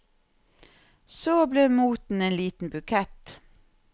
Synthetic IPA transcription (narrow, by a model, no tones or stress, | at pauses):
soːbleːmuːt̪n̩eːnliːt̪n̩bʉkʰɛt̪